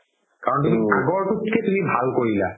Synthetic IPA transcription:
kaɾɔnt̪umiaɡoɾkutkʰet̪umibʱalkoɾila̰

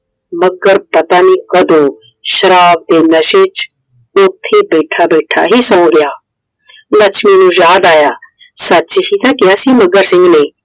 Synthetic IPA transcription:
məɡəɾpət̪aːniːkəd̪õː | ʃəɾaːbd̪eːnəʃet͡ʃ | ʊt̪ʰːeːbeːʈʰaːbɛːʈʰa̰ːɦiːsə̃õɡɪjaː | lət͡ʃʰmɛːnũːjaːd̪aːjaː | sətːt͡ʃɦiːt̪ãːkɪjaːsiːməɡəɾsɪ̃ŋɡneː

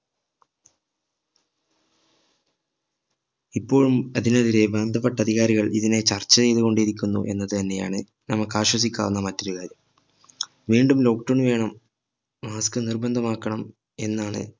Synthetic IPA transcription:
ipːo̞ːɻumɐðinɐðiɾe̞bɐːnd̪ʱɐpːeʈːɐd̪ʱiɣaːɾiɣɐɭiðine̞t͡ɕɐrt͡ɕːɐt͡ɕe̞jðuɣo̞ɳɖiiɾikʲːunːṵʔe̞̰nːɐðɨt̪ɐnːe̞ja̰ːɳɨ | nɐmːɐkːaːɕwɐs̬ikʲːa̰ːʋunːɐmɐtːuoɾukaːɾjɐm | ʋiːɳɖumlo̞ːk̚ʈoːɳʋe̞ːɳɐmː | aːskɨnirbɐnd̪ʱɐmaːkːɐɳɐm | e̞nːaːɳɨ̰

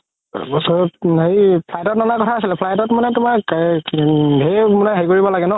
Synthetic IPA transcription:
sɦejpʰlajtɔt̚nɔnakɔtʰaːsilɛpʰlajtɔtmanɛtʊma | ɦemunaɦejkoɹibɔlaɡɛnɔ

